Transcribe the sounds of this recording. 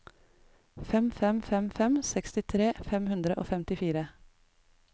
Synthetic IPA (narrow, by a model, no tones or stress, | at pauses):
fɛmfɛmfɛmfɛmsɛkst̪ɪt̪ʰɾeːfɛmhʉnd̪ɾəʔo̰ːfɛmt̪ɪfiːɾə